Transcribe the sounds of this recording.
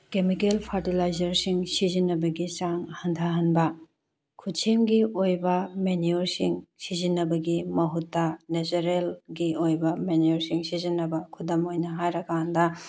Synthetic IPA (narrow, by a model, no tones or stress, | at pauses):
kemikelpʰɐɾtilajzɐɾsiŋsizinːɐbɐɡit͡ʃaŋhɐntʰɐɦɐnbɐ | kʰutt͡ʃʰemɡiojbɐmeniuɾsiŋsizinːɐbɐɡimɐɦutːɐnet͡ʃuɾelɡiojbɐmenioɾsiŋsizinːɐbɐkʰudɐmojnɐɦajɾɐkandɐ